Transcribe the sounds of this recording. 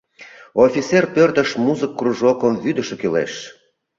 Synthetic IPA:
ofʲit͡serpørt̪ə̆ʃmuzəkːruʒokəmvyd̪ə̆ʃĕkylḛʃ

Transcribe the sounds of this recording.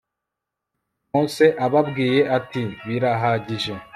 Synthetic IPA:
moːnse̞ʔaβabɡiːje̞ʔatiβiɾaɦaɟiʒe̞

